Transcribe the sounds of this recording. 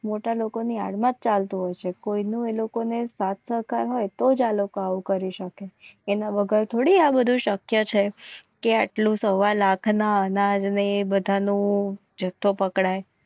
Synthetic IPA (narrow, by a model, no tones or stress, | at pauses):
moʈalokonia̰ɽmãt̚t͡ʃalt̪ũɦojt͡ʃʰekoinũelokonesat̪ʰsəɦkaɾɦojt̪od͡ʒalokoaʋũkəɾiʃəkeːnãbəɡʱaɾt̪ʰoɽiabəd̪ʱũʃəkjət͡ʃʰekeaʈlũsəʋalakʰnaənad͡ʒnebəd̪ʱanũ | d͡ʒət̪ʰːopəkɽaj